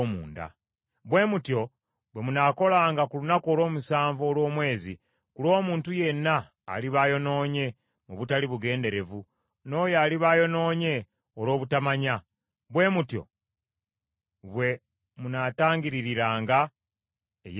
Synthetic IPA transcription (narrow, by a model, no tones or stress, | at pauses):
muːnda̰ | βwe̞ːmutjo̞ | βwe̞munako̞laːŋɡakulunako̞ːlwo̞ːmusaːɱvo̞ːlwo̞ːmwe̞ːzḭ | kulo̞ːmuːntuje̞nːa̰ː | liβaːjo̞no̞ːɲe̞ | muβutaliβuɡe̞ːnde̞ɾe̞vu | no̞ːjaːliβaːjo̞no̞ːɲe̞ | olo̞ːβutamaɲa | βwe̞ːmutjo̞̰ | βwe̞ | munataːŋɡiɾiɾiɾaːŋɡa | ḛj